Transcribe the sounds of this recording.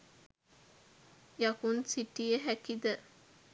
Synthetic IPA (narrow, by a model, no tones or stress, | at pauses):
jɐkunsiʈijəɦækid̪ə